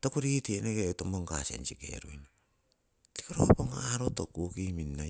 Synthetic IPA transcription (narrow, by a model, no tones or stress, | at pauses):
tokuɾiitieneɡeutomoŋkasḛnsikḛɾojna | ti̥koɾopoŋaɾotokukiminːa